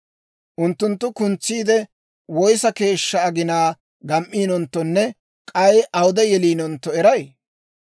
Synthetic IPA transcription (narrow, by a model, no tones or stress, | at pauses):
ʔʊnt̪ːʊnt̪ːʊkʊnt͡sːiːd̪ɛ | wɔjsɐke̞ːʃːɐːɡɪnaː | ɡɐmʔːiːnɔnt̪ːɔnːɛ | kʼɐjʔɐwʊd̪ɛjɛliːnɔnt̪ːɔɛɾɐj